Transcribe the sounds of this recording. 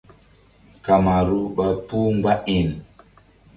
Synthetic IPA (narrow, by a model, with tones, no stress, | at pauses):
ka˨ma˨ɾu˦ɓa˨pu˦ŋɡ͡ba˦ʔi˨n